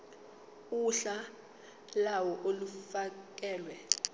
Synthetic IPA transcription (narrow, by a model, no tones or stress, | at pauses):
uɬa | lawɔʔolufak̬ɛːlwɛ